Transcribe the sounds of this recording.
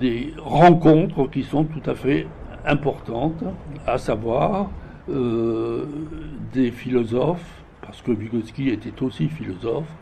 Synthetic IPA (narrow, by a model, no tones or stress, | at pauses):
d̪eʁɑ̃kɔ̃t̪χəkʲisɔ̃t̪ut̪afɛ | ɛ̃pɔʁt̪ɑ̃t̪asavwaʁ | ø | d̪efilɔzɔf | paʁsə̥kəviɡɔskʲiet̪ɛt̪osifilɔzɔf